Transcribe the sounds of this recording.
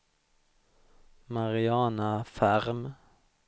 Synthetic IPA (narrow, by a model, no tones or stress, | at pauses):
mɑʁɪɑːnɑfæʁm